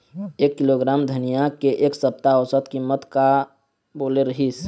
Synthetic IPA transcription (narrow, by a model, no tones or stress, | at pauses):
ekːiloɡɾaːmd̪ʱənijakeʔeːksəp̚t̪aɔsət̪kimːət̪ka | boːleɾəɦis